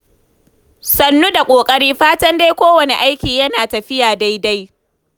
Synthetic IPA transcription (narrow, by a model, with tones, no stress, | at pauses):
sɐ˨nːu˦da˨kʷʼoː˨kʼɐ˦ɽiː˦ɸaː˦tɐ˦nda˦jkʷoː˦wɐ˨nḛ˨ʔa˦jkʲiː˨jɐ˦naː˨tɐ˨ɸɪ˦jaː˨da˦jda˦j